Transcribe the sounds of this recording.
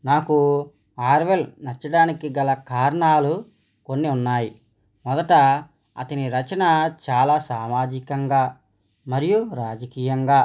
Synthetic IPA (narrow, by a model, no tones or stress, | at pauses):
naːku | aːɾʋelnɐt͡ʃːɐɽaːnikiɡɐlɐkaːɾɐɳaːlu | konːiunːaːji | mɔd̪ɐʈɐ | ɐ̰t̪ɐniɾɐt͡ʃɐnɐt͡ʃaːlaːsaːmaːd͡ʒikɐŋɡaː | mɐɾijuɾaːd͡ʒɐkiːjɐŋɡaː